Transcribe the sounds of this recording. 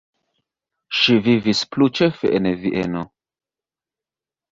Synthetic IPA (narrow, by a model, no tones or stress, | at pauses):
ʃivivisplut͡ʃefḛʔeneviʔeno